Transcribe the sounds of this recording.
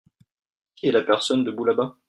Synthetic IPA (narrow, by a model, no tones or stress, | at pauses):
kʲiɛlapɛʁsɔnd̪əbulaba